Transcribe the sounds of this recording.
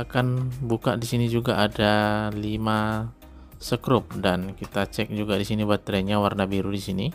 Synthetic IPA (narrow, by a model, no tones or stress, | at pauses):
akanbuka̰ʔdisinid͡ʒuɡaʔːdalima | səkɾʊp̚dankit̪at͡ʃɛk̚d͡ʒuɡadisinibat̪ːɾɛɲawarnabiɾudisini